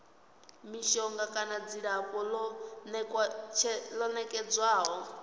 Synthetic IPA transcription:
miʃɔŋɡakʼanad͡ziɺakɔlnkt͡ʃʰɛlɔnɛkʼɛd͡zwaːɦɔ

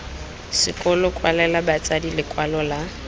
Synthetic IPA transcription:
sɪ̰kʼɔlɔkʼwalɛlabat͡sʼadilɪkʼwalɔla

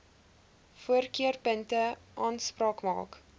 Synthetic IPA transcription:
fuərkiərpəntəʔɑːnsprɑːkmɑ̰ːk

